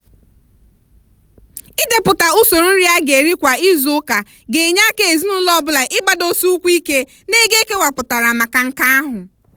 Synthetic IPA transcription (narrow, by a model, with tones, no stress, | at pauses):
ɪ˦de˨pʊ˨ta˨ʊ˦so˨ɾu˦n̩˦ɾi˦a˦ɡe˨ɾi˦kʷa˨ɪ˦zʊ˨˦ka˨ | ɡe˨ɲa˦ke˨e˨zi˦nʊ˦lɔ˦˨bʊ˦la˨ʔɪ˦ba˨do˦su˦u˦kʷi˦ke˦ | ne˦ɡe˦ke˦wa˨pʊ˨ta˨ɾa˨ma˨ka˨ŋ̩˦ka˦a˦ɦʊ˨